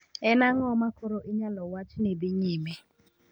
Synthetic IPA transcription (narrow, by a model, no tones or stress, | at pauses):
ɛnaŋɔmakoɾoʔɪɲalɔwat͡ʃnɪbɪɲɪme